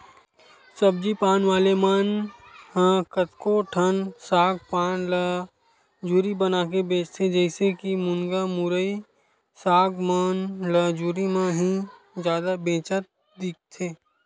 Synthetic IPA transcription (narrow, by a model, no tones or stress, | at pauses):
səb̚d͡ʒipaːnʋaːlemaːnhãkət̪koʈʰənsaːɡ̚paːnlə | d͡ʒuːɾibənaːkebẽːt͡ʃt̪ʰed͡ʒɛɪsekimʊnɡamʊɾəi | saːɡmaːnləd͡ʒuːɾimãɦĩ | d͡ʒjaːd̪abẽːt͡ʃət̪̚ | d̪ɪk̚t̪ʰeː